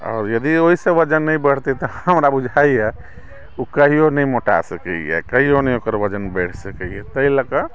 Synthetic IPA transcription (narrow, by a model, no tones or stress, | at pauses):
ɔ̰ːɾjəd̪ioɦisẽʋəd͡ʒənːəĩbəɽ̤t̪et̪ɔəmɾabud͡ʒʱaiɦɛ | ukəɦionəĩmoʈa̰səkəiɛ̰kəɦionəĩokəɾʋəd͡ʒənbɛʈʰsəkəiɛt̪əiləkə